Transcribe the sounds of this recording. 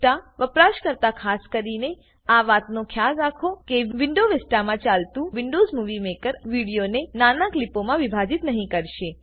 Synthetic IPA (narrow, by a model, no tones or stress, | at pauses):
ʈaʋəpɾaʃkəɾt̪akʰaskəɾine | aʋat̪nokʰjazɾakʰokeʋɪɳɖoʋesʈamãt͡ʃalt̪ũʋɪɳɖozmuʋimekəɾʋiɽijonenanaklipomãʋibʱad͡ʒit̪nəɦĩkəɾʃe